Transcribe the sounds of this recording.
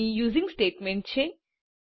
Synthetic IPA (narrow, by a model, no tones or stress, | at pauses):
ijuːzĩŋɡsʈeːʈmẽɳʈ̚t͡ʃʰe